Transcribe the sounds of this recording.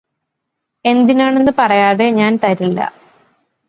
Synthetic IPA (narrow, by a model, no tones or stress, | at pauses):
e̞nd̪inaːɳe̞nːɨpɐrɐjaːðe̞ɲaːnt̪ɐɾilːɐ̰